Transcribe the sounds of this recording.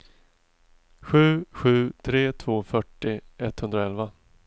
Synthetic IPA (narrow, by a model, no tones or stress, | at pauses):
ɧʉ̟ːɧʉ̟ːt̪ʰɾeːt̪ʰv̥oːfœʈːɪɛt̪hɵnd̪ɾaɛlva